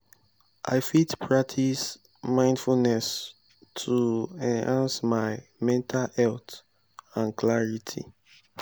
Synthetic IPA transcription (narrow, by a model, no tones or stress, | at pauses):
ʔa̰ɪfitpʰɹak̚tʰis | mãɪ̃ndfulnɛs | tʰuɛ̃nhãnsmaɪmɛ̃ntʰalhɛlt | ãnklaɹitʰḭ